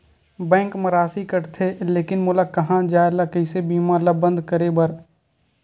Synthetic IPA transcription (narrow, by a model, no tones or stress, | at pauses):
bɛ̃ːŋkmɐɾaːsikəɾt̪ʰeleːkɪnmʊːlakɐɦãd͡ʒaːelakəɪsebiːmãlabə̃nd̪kəɾebɐɾ